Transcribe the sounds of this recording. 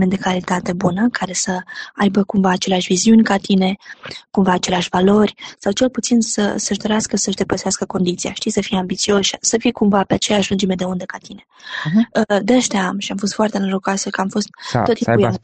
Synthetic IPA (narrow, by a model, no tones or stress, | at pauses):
mend̪e̞kalit̪at̪e̞bunəkʰaɾe̞səajbəkumvaːt͡ʃe̞leaʃviziunʲkat̪ine̞kumvaːt͡ʃe̞leaʃʲvalo̞rʲsawt͡ʃe̞lput̪sinsə̰səʒd̪o̞ɾeaskəsəʒd̪e̞pəseaskəko̞nd̪it̪sija̰ʃt̪ijsəfijambit̪sio̞ʃsəfijkumvapeat͡ʃe̞jaʃʒund͡ʒemed̪e̞und̪e̞kat̪ine̞əd̪eəʃt̪eaamʃiamfo̞st̪foart̪e̞nəɾoɡat̪səkamfo̞st̪̚ːoiuj